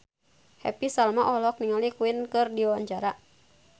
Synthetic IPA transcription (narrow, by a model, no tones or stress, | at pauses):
hɛ̰pisalmaʔɔlɔk̚niŋalikuinkɨrdiwaɲd͡ʒaɾa